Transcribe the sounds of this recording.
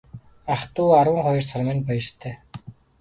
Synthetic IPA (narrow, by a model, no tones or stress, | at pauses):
aχt̪uːaɾwə̆ŋχɔjɞ̆rt͡sʰarmɪ̆npɔj̆rt̪ʰːeː